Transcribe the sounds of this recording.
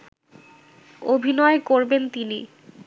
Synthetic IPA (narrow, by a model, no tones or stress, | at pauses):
obʱinɔekoɾbent̪inḭ